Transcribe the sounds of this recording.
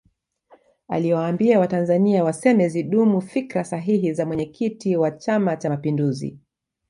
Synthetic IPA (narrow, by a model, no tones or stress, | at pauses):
a̰liwaːmbiawatanzaniawasɛmɛziɗumufikɾasaɦiɦizamwɛɲɛkʰitiwat͡ʃamat͡ʃamapinduzḭ